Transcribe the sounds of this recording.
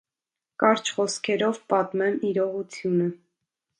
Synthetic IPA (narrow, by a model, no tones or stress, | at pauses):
kɑɾt͡ʃʰχɔskʰɛɾɔvpɑt̪mɛmiɾɔʁut͡sʰjunə